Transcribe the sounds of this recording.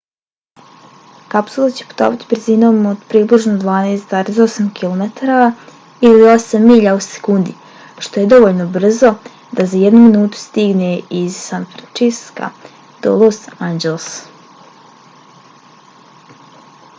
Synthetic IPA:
kapsulˠat͡ɕepu̥t̪o̰ːʋat̪i̥br̩ziːno̞ːmod̪̥pɾiːbliʒnod̪ʋaːneːst̪zaːɾeso̞samkilˠomet̪aɾa | ilio̞samːiʎause̥kuːnd̪i | ʃt̪o̞je̞d̪o̞ʋoʎnobr̩zo̞ | d̪azajed̪numinuːt̪u̥st̪iɡneizːanfɾant͡ʃiska̰ | d̪̥o̰lˠosand͡ʑelˠs

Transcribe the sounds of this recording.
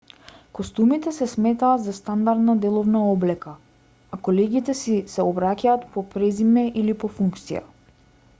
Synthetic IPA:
kost̪umit̪ɛsɛsmɛt̪aːd̪zast̪and̪aɾd̪nad̪ɛlˠɔvnaɔblɛka | akɔlɛɡit̪ɛsisɛɔbɾacaːt̪pɔpɾɛzimɛʔilipɔfuŋkt̪sija̰

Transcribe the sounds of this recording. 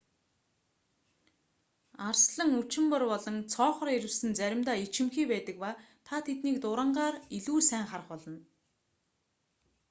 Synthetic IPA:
arsɮə̆ŋut͡ɕɪ̆mpə̆rpɔɮɞ̆nt͡sʰɔːχɞ̆ɾeɾɘ̆wsɘ̆nt͡sæɾʲɪ̆mt̪aːit͡ɕɪ̆mxiːpæːt̪ə̆k̚paː | t̪ʰat̪ʰet̪niːkt̪ʊɾə̆ɴɢaːriɮuːsæːŋχarə̆χpɔɮɞ̆n

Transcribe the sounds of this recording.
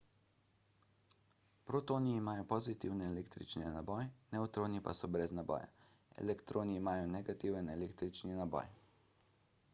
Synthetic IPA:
pɾot̪oːniːmaːjɔpɔzit̪iwnɛːleːkt̪ɾḭt͡ʃninabɔjnɛut̪ɾoːnipa̰sɔbɾɛznabɔ̰ːja̰ɛ̰lɛkt̪ɾoːniːmaːjɔnɛɡat̪iːwənɛleːkt̪ɾit͡ʃninabɔ̰j

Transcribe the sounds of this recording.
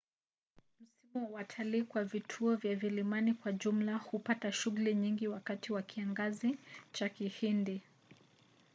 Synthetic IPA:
m̩simuwatʰaliːkwavitʰuɔvjavilimanikwaʄum̩lahupataʃuɣuliɲiŋɡiwakatiwakʰiaŋɡazit͡ʃakihindi

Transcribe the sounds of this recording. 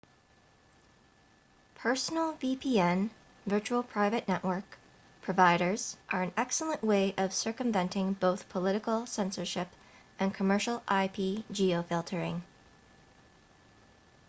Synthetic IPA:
pʰɜ˞sn̩l̩ˠvipʰiɛ̃n | vɜ˞t͡ʃul̩ˠpʰɹ̥aɪvɨʔⁿnɛʔwə˞k | pʰɹ̥ɨvaɪɾə˞z̥ʔə˞ɨ̃nɛksl̩ˠə̃nʔweɪʔʌv̥sɜ˞kə̃ɱvɛ̃ntɪ̃ŋboʊθpʰəlɪɾɨkl̩ˠsɛ̃nsə˞ʃɪp | ʔɨ̃nkʰəmɜ˞ʃl̩ˠʔaɪpʰid͡ʒioʊfɪlˠtʰə˞ɪ̃ŋ

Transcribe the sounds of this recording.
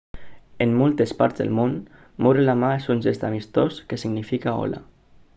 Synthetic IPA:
emːolˠt̪espa̰ɾt̪zðə̰lmon | muɾelamaesunzest̪amist̪oskesiɡnifikao̰la̰

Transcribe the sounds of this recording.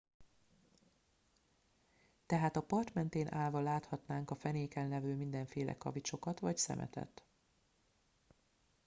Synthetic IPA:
t̪ɛɦaːt̪ɒpɒrt̪mɛn̪t̪eːnʔaːlvɒlaːt̪hɒt̪naːŋkɒfɛneːkɛnːɛvøːmind̪ɛɱfeːlʔɛ̰kɒ̰vit͡ʃo̞kɒt̪ʋɒcsɛ̰mʔɛ̰t̪ɛ̰t̪

